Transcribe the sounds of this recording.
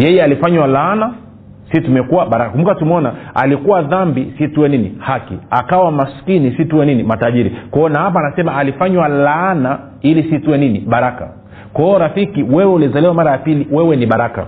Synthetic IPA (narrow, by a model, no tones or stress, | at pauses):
jɛjɛalifaɲwalaːna | situmɛkuwaɓaɾakakumbukatumɔnaa̰likuwaðambisituwɛninihakiakawamaskinisituwɛninimataʄiɾikɔɔnahap̬aːnasɛmaːlifaɲwalana | ilisituwɛniniɓaɾaka̰ | kaɔɾafikiwɛwɛulizaliwamaɾajapiliwɛwɛniɓaɾaka̰